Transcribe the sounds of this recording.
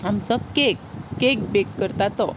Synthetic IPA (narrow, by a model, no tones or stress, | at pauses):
amt͡sɔkekːek̚bekːəɾt̪at̪ɔ